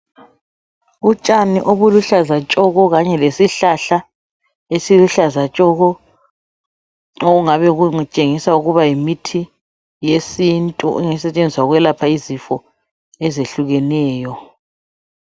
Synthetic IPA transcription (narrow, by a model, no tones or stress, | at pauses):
ut͡ʃʼanḭʔoβuluɬazat͡ʃʼɔɣɔɣaɲɛlesiɬaɬa | esiluɬazat͡ʃʼɔɣɔ | oɣuŋaβɛɣuŋt͡ʃʼeŋisauɣuβajimitʰi | jesintʼṵʔɛŋɛsɛt͡ʃʼend͡zʱiswaɣwɛlapʰaizifɔ | ɛzeɬuɣɛnɛːjɔ